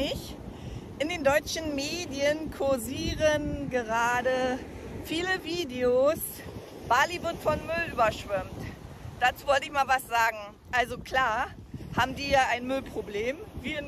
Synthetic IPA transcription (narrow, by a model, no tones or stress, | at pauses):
ɪç | ʔɪndeːndɔʏt͡ʃn̩meːdiənkʰʊɐziːʁənɡəʁaːdə | fiːləviːdeos | b̥aːlivɪɐtfɔnmʏlʔyːbɐʃv̥ɪmtd̥aːt͡suːvɔltəɪçmaːlvasz̥aːɡŋ̩ | ʔalzokl̥aːɐ | haːbm̩diːjaːaɪnmʏlpʁ̥obleːmviːɪn